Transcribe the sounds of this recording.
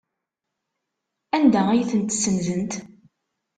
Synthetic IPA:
ænd̪ææjθənt̪sːənðənt̪

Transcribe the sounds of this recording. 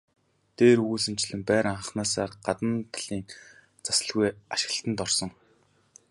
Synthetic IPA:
t̪eːɾuːɮɘ̆mt͡ɕɮɘ̆mpæːɾəɴχ̆χnaːsaːrɢ̥at̪ə̆nt̪ʰɮiːn | t͡sḁsə̆ɮɣujaʃɪ̥̆ɣə̆ɬt̪ə̆nt̪ɔrsɞ̆ŋ

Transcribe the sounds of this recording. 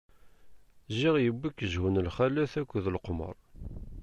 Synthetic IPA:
ʒiʁjəbːikːəʒhunəlχælæθækʷːəðlqmə̰ɾˤ

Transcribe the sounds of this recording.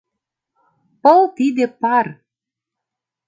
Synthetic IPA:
pɤ̆lˠt̪id̪ĕpɑr

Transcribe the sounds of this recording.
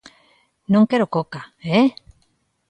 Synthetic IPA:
noŋkeɾokokae

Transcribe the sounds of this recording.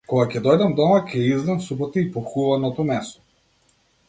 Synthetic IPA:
kɔɡacɛd̪ɔjd̪amd̪ɔmacʲɛizd̪amsubɔt̪iipɔxuvanɔt̪ɔmɛst̪ɔ̥

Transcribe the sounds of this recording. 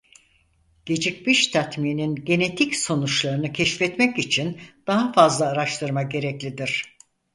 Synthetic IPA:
ɟ̥e̞d͡ʒic̚miʃt̪ʰat̪mininɟe̞ne̞t̪ʰicso̞nut͡ʃlˠaɾɯnɯcʰɛʃfɛt̪mɛcit͡ʃʰind̪̥aɦafazlˠaːɾaʃt̪ɯɾmaɟe̞ɾɛclʲid̪iɾ̝̥

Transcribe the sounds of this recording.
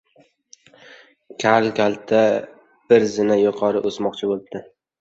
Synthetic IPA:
kʲʰalˠkʲalˠt̪ʰa | b̥ɪɾzɪnajʊqʰɒɾɪʔosmɒqt͡ʃʰɪbolˠɪb̚d̪̥ɪ

